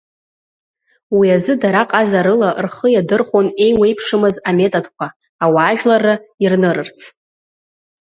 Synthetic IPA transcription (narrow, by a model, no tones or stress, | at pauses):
wiazɨdaɾaqʼazaɾɨlarχəjadɨrχʷone̞jwe̞jpʰʂɨmɨzame̞tʼodkʷʰaː | waːʒᶣlarɨirnɨɾɨrt͡sʰ